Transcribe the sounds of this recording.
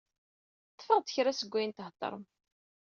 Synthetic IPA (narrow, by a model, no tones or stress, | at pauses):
θə̥fɾəʁd̪çɾasəɡʷːæjənt̪ht̪ˤːɑ̰ɾˤm